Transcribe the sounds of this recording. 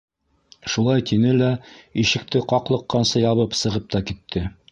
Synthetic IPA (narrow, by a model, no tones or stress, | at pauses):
ʃulˠɑjt̪ʰinɘlæiʃɘ̆k̚t̪ɘqɒqlˠɤ̆qːɑnsɤjɒβɤpsɤ̆ʁɤp̚t̪ɑkit̪ʰːɘ